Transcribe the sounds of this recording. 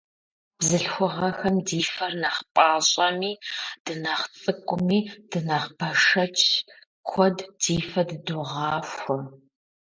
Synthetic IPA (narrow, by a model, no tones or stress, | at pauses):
bzɨɬxʷʊʁɐxɐmdiːfɐrnɐχpʼaːɕʼɐmiːd̥ɨnɐχt͡sʼɨkʷʼʊmiːd̥ɨnɐχb̥ʰɐʂɐt͡ʃʼʰ | kʷʰɔdd̥iːfɐdɨduʁɑːxʷʊ